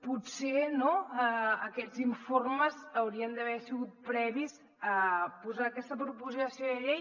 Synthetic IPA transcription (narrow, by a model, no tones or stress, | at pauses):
pusenoəəkɛd͡ziɱforməzəwɾiənd̪əβ̞ɛɾsiɣut̪̚pɾɛβiz | əpuzaːkɛst̪əpɾupuzisioðəʎej